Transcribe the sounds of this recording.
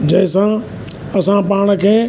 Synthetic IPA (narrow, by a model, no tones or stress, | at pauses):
d͡ʑɐɦɪ̃sã | ɐsãpaːɽ̃ə̆kʰeː